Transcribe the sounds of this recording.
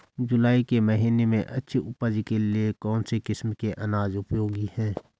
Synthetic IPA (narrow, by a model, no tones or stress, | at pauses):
d͡ʒʊlaːikemɐɦiːnemḛ̃ʔɐtːʃʰiʊpəd͡ʒikeliekɔːnsekɪsmkeʔɐnaːzʊpjoːɡihɛ̃ː